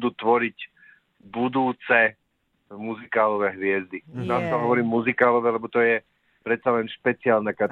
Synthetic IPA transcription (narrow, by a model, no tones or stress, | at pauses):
d̪uːt̪ʋɔɾiɟ | bud̪uːt͡sɛ | muzikaːlɔʋɛɦʋɪɛzd̪inast̪ɔɦɔʋɔɾiːmːuzikaːlɔʋɛːlɛbɔt̪ɔjɛ | pɾɛt̪t͡salɛnʃpɛt͡sɪaːlnaka